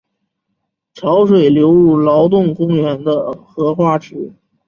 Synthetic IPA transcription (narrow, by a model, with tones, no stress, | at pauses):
ʈ͡ʂʰɑ˧˥ʊʂwe˨˩ɪljo˧˥ʊɻu˥˩lɑ˧˥ʊt̪̬ʊ˥˩ŋkʊ˥ŋɥɛ˧˥nd̪ə˧xɤ˧˥xwa˥˩ʈ͡ʂɻ̩˧˥